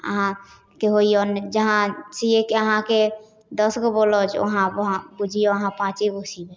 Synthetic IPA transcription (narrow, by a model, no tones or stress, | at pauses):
ə̰ɦã | keɦoiɔnd͡ʒəɦãsiekeəɦãke | d̪əsɡobolɔt͡ʃʰo̰ɦãɦãbud͡ʒʱioəɦãpãt͡ʃibusibe